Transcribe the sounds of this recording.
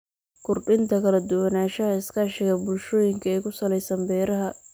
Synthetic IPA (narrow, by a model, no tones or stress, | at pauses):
ɡʊrɖɪnt̪ʰɐkʰɐlɐd̪ʊwɐnaːʃɐɦɐɪskʰɐːʃɪɣɐbʊlʃɔːjɪŋkʰɐɛjkʰʊsɐlɛjsɐmbɛːɾɐɦɐ